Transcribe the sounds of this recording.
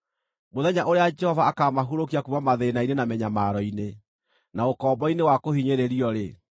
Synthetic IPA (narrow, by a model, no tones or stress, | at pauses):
moðɛɲaʔoɾead͡ʒɛhɔvaːkamaɦuɾokiakumamaðenainenamɛɲamaɾɔine | naokɔːbɔinewakohiɲeɾeɾiɔɾe